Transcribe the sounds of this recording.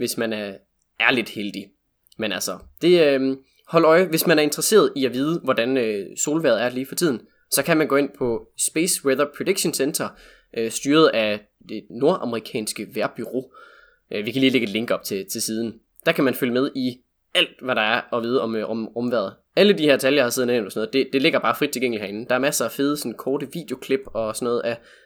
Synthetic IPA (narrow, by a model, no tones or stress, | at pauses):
ʋe̝smænæɐ | æɐle̝d̥held̥i | menælsɒd̥e̝ø | hɒ̽l̰ɒ̽ɪʋe̝smænæɐe̝nd̥ʁɐse̝̰ːɐð̞ˠiæʋiːð̞ˠəʋɒd̥ænøso̝ːlʋæɐð̞̩ˠæɐliːfɒ̽t͡sʰið̰ˠn̩ | sɒ̽kʰæmænɡɔ̰ːe̝n̰pʰɒ̽sb̥eːsweðˠɐpʰʁod̥eɡ̥ɕonsend̥ɐ | ʔøsd̥yːɐð̞̩ˠæ | d̥e̝no̝ɐʔɑməʁikʰɛ̰ːnsɡ̥əʋæɐb̥yʁo̝̰ː | ʔøʋikʰæliːle̝ɡ̥ed̥le̝ŋɡ̥ɒ̽b̥t͡sʰe̝t͡sʰe̝lsiːð̞ˠn̩ | d̥ɑ̈kʰæmænføləmeð̞ˠi | æl̰d̥ʋæɾɑ̈æɐɒ̽ʋiːð̞ˠɒ̽mɔmʁɔ̽mʋæɐð̩ˠ | æləd̥iheɐ̰d̥t͡sʰæljɑhɑseð̩ˠne̥ɒsnð̩ˠd̥e̝d̥e̝le̝ɡ̥ɐb̥ɑ̈ːfʁid̥̚t͡sʰelɡ̥eŋ̰lihæɐe̝nn̩d̥ɑ̈æɐmæsəæfeðˠəsɔ̽nkʰɒːɾəʋḭːd̥jo̝kʰle̝b̥ɒ̽sɒ̽nɔ̽ːð̞̩ˠæ